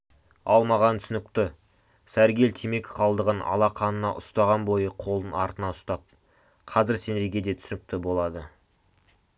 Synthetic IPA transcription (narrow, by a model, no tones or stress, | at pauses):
ɑlˠmɑʁɑnt̪ʰʏsɪnɪkt̪ɪ | sæɾɡʲe̞lt̪ʰeme̞kʲqʰɑlˠd̪əʁənɑ̰lˠɑqʰɑnənɑ̰ʔʊst̪ɑʁɑnbo̞jəqʰo̞lˠənɑɾt̪ənɑʊst̪ɑp̚ | qʰɑzɪɾse̞neɡʲe̞d̪e̞t̪ʰʏ̥sɪnɪk̚t̪ɪbo̞lˠɑd̪ə